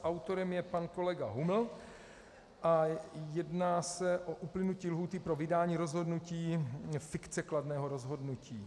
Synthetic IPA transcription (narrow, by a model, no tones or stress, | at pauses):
ʔawt̪o̞ɾɛmjɛpanko̞lɛɡaɦuml̩ | ʔajɛdnaːsɛʔo̞ʔuplɪnuciːlɦuːt̪ɪpɾo̞vɪdaːɲiːɾo̞zɦo̞dnuciːfɪkt͡sɛkladnɛːɦo̞ɾo̞zɦo̞dnuciː